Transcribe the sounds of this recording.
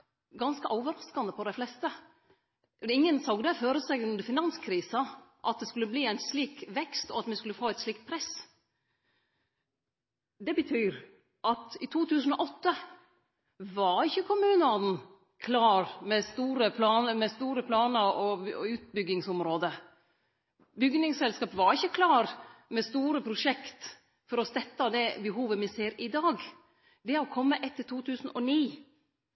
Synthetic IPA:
ɡɑnskəʔɔːʋəɾɑskɑnd̪əpɔd̪æɪflɛst̪ə | ɪŋːənsɑɡd̪əføːɾəsɛɡʉnd̪əfɪnɑnskʰɾiːsɑʔɑt̪̚d̪ɛskʉlːəbliːæɪnsliːkʋɛkst̪ɔ̰ɑt̪mɛskʉləfoːɛɪt̪sliːk̚t̪̚pʰɾɛs | d̪ɛbət̪ʰyːɾ | ʔɑt̪ɪt̪ʰuːt̪ʰʉːsən̩ɔʔɔt̪ːə | ʋɑɾɪçːəkʰʊmʉːnəɑd̪n̩ | kʰlɑːɾmɛst̪uːɾəpʰlɑːnəmɛst̪uːɾəpʰlɑːnəɾɔʉːt̪̚bʏɡɪŋsʊmɾoːd̪ə | bʏɡnɪŋsɛlskɑːpʋɑɾɪçːəkʰlɑːɾmɛst̪uːɾəpʰɾʊʂɛkt̪ | fɔɾɔst̪ɛt̪ːɑd̪ɛbəɦuːʋəmɪseːɾɪd̪ɑːɡ | d̪ɛɾɔkʰɔmːəʔɛt̪ʰːəʈ̪ʰuːt̪ʰʉːsn̩ɔniː

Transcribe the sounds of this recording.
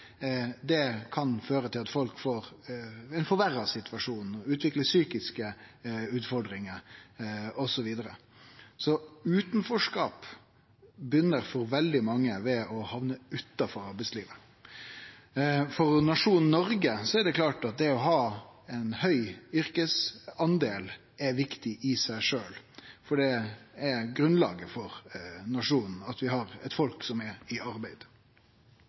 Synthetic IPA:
d̪ɛkʰɑnføːɾət̪ʰɪlɑt̪fɔlkfoːɾɛnfɔɾʋæɾːɑsɪt̪ʰʋɑʂuːnɔʉːt̪ʋɪkləsyːkɪskəʉːt̪fɔɖɾɪŋəɾ | ɔsɔʋiːd̪əɾə | sɔʉːt̪n̩fɔʂkɑːp | bʏnːəɾfɔɾʋɛld̪ɪmɑŋːəʋɛɔhɑʋnəʉt̪ːɑfɔɾɑɾbɛɪtsliːʋə | fɔɾnɑʂuːnn̩nɔɾɡəsɔɛɖɛkʰlɑːʈɑt̪̚d̪ɛɔɦɑːɛɪnhœʏʏɾkəsɑnd̪eːl | ɛɾʋɪkt̪ɪʔɪsæɪʂøːl | fɔɖɛɛɾɡɾʉnlɑ̰ːɡəfɔɾnɑʂuːnn̩ɑt̪ʋɪhɑɾɛt̪fɔlksɔmɛɾɪɑɾbæɪd̪̥

